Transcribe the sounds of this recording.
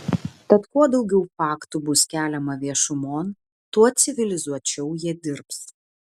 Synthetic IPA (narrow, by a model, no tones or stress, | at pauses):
t̪ɐt̪kuɔd̪ɒʊɡʲɛʊfɑːkt̪ubʊskʲæːlʲɛmɐʋʲiɛʃʊmoːn | t̪uɔt̪sʲɪʋʲɪlʲɪzuɔt͡ʃʲɛʊjiɛd̪ʲɪɾps